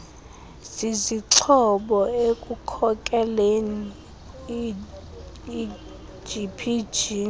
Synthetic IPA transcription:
z̥iziǁʰɔɓɔekʼukʰɔkʼɛleni | d͡ʒipʰid͡ʒi

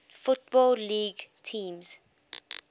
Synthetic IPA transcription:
fʊt̚bɔlliːɡtʰĩːmz̥

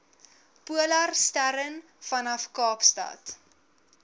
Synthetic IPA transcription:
puəlɐrstæɾən | fɐnɐfkɑːpstɐ̰t

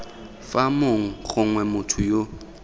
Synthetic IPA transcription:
famoŋ̩χʊŋwɛmʊtʰʊjo

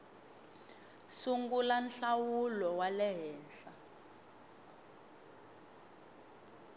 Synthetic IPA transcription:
suŋɡulanɬawulɔwalɛɦɛːnɬa

